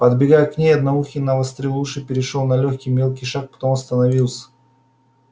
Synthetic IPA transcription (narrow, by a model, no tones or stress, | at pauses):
pəd̪bʲɪɡajəknʲejɐd̪nɐuxʲɪnːɐvəst̪ɾʲɪlˠuʂɨpʲɪɾʲɪʂolˠnɐlʲoxʲkʲijmʲe̞lˠkʲijʂak̚pɐ̥t̪o̞mɐst̪ənɐvʲilˠsʲə̥